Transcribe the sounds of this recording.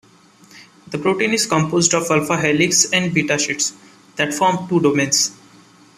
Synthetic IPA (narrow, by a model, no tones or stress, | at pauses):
d̪əpɾoːʈẽːnɪzkə̃mpoːzɖɔʋʌlfaɦɛlɪksɛ̃ɳɖbiːʈaʃɪʈs | d̪̥æʈfɔːɾmʈuːɖoːmẽns